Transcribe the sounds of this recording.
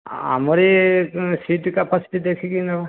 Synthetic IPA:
a̰mɔɾisiʈkapasi̥ʈid̪ɛkʰikinɔ

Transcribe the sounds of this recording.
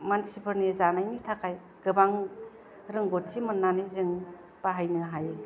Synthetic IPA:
mansibʰɯɾnizanajnitʰakʰaj | ɡ̥ɯbaŋ | ɾɯŋɡot̚simɯnːanizɯŋ | paɦajnɯɦaje

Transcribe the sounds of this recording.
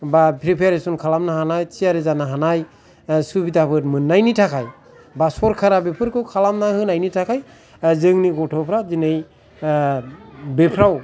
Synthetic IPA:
bapʰɾipʰjaɾesɔnkʰalamnaɦanajsijaɾezanaɦanaj | subidabɯtmɯnːajnitʰakʰaj | basɔɾkʰaɾabepʰɯɾkɯwkʰalamnaɦɯnajnitʰakʰaj | zɯŋniɡɔtʰɔpʰɾazinej | bepʰɾaw

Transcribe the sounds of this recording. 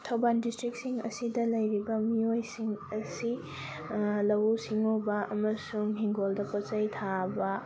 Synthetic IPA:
tʰɐwbandistɾik̚siŋɐ̰sidɐlɐjɾibɐmiojsiŋɐsi | lɐwusiŋobɐʔɐmɐsuŋɦiŋɡoldɐpot͡ʃɐjtʰabɐ

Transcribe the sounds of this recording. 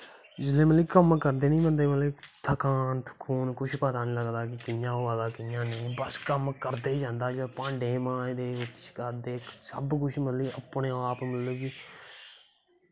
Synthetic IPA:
d͡ʒɪlẽːməliːkəmkəɾd̪eːnĩːmənd̪eːməlet̪ʰəkaːnt̪ʰkʰuːnkʊʃʰpəːt̪aːnĩːləɡd̪aːk̬ɪkɪjãːoːaːd̪aːkɪjãːnẽːbəskəmkəɾd̪eːd͡ʒãːnd̪aːd͡ʒeːpãːɳɖeːmãːd̪eːt͡ʃʰkəɾd̪eːsə̰bkʊt͡ʃʰmət̪liːəpɳẽːaːpməlləɡiː

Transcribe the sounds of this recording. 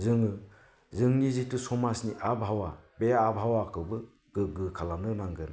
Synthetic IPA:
zɯŋɯ | zɯŋnizitɯsɔmasniʔabɦawabeaːbɦawakʰɯbɯ | ɡ̥ɯɡɯkʰalamnɯnaŋɡɯna

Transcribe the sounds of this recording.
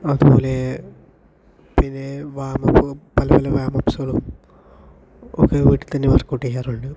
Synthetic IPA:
ɐðupo̞ːle | pinːe̞ʋaːmɐppɐlɐpɐlɐʋaːmɐpːsɐɣɐɭum | o̰kːeʋiːʈːit̪ɐnːeʋɐrkːuʈːikːaːruɳɖɨ

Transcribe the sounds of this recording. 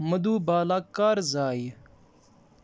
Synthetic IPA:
mɐd̪uːbaːlaːkaːɾzaːj

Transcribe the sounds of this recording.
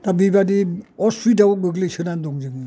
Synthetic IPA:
tabibadiɔsɾidawɔɡɯɡlɯsɯnandɔŋd͡ʒɯŋɯ

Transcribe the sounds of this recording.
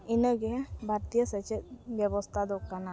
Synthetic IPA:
ɪnəɡebʱaɾt̪ijəsət͡ʃebjəbost̪ʰad̪okːana

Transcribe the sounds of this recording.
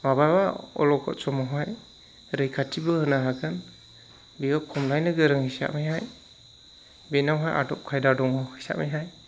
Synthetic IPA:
mabajbaɔ̰lɔkʰɔ̰tsɔmɔɦaj | ɾɯjkʰatʰibɯhɯnaɦaɡɯn | biɡakʰɔmlajnɯɡɯɾɯŋhisa̰ʔmijɦaj | benawɦajʔa̰dɔp̚kʰajdadɔŋɔhɯsa̰ʔmijɦaj

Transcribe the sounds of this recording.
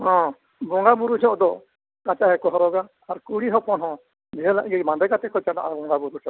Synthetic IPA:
hɔ̃ | bɔŋɡabuɾud͡ʒɔ̃ʔd̪ɔ | kat͡ʃaɦɛkɔɦɔɾɔɡa | aɾkuɽiɦɔ̃pɔnɦɔ̃ | d͡ʒɛɦɛla̰ʔɡɛmãnd̪ɛkat̪ɛkɔt͡ʃana̰ʔabɔŋɡabuɾut͡ʃɔ

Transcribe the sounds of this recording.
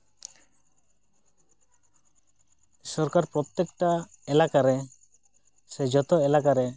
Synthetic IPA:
sɔɾkaɾpɾɔt̪ːekʈa | ɛlakaɾɛ | sɛd͡ʒɔt̪ɔɛlakaɾɛ

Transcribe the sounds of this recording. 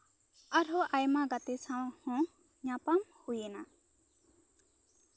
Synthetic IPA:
aɾoʔajmaɡat̪esʰãwhɔ̃ | ɲãpamhujena

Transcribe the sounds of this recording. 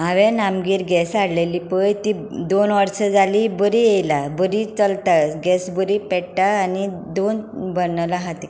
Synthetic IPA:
ɦaʋẽnamɡiːɾɡɛsaɽleliːpəjt̪i | d̪onʋəɾsəd͡zalibəɾijejlabəɾit͡səlt̪aɡɛsbəɾipɛʈʈaːnid̪onbənːlaɦat̪e

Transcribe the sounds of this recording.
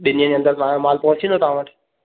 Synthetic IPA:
ɗɪniə̃d͡ʑeə̃nd̪əɾt̪ãːjõmaːlpɐɦʊ̃t͡ɕĩnd̪ot̪ɐʋ̤ãʋəʈʰɪ̥

